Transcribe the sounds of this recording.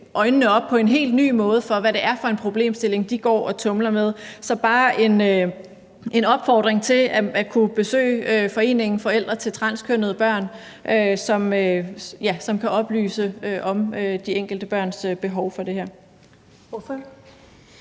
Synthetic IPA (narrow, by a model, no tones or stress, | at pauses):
ʔɒ̽ɪnənəɒ̽b̥̚pʰɒ̽e̝nɦe̝̰ːld̥ny̰ːmɔ̽ːð̞̩ˠəfɒ̽ʋæɾe̝ʔæɐfɒ̽e̝npʰʁo̝b̥le̝̰ːmsd̥e̝le̝ŋd̥iɡ̥ɒ̰ːɒ̽t͡sʰɔ̽mlɐmeð̞ˠsɒ̽b̥ɑ̈ːʔe̝nø | e̝nɒ̽b̥fɒ̰ːd̥ʁeŋt͡sʰe̝læækʰub̥e̝sø̰ːøfɒ̽e̝̰ːne̝ŋn̩fɒ̽el̰d̥ʁɐt͡sʰe̝lt͡sʰʁɑ̈nskʰønəðˠəb̥ɶɐ̰n | ʔøsɒ̽møjæsɒ̽mkʰæʔɒ̽b̥ly̰ːsəøʔɒ̽mød̥ieŋ̰ɡ̥l̩d̥əb̥ɶɐ̰nsøb̥e̝ɦɒʊfɒ̽d̥e̝hæɐ̰